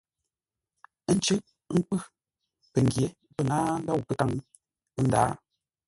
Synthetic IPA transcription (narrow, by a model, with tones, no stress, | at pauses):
n̩˦t͡ʃə˦ | ŋ̩˦k͡pɨ˦ | pe˨ŋ˨ɡje˨˦ | pɛ˦˨naː˦n̩˦da˦wpə˦ta˦ŋ˦ | n̩˦da̰ː˦